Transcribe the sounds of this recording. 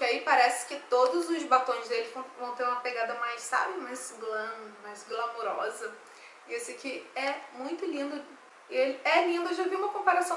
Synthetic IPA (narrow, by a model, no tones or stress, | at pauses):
kɪaipaɾɛsɪ̥kɪt̪od̪ʊzʊzbat̪õj̃zd̪elɪvɐ̃w̃vɐ̃w̃t̪eɾũmɐpeɡad̪ɐmajssa̰bɪmajzɡlɐ̃majzɡlamoɾɔzɐ | isɪkɪɛmũj̃t̪ʊlĩnd̪ʊ | ɪelɪɛlĩnd̪ʊeʒaviũmɐkõpaɾasɐ̃w̃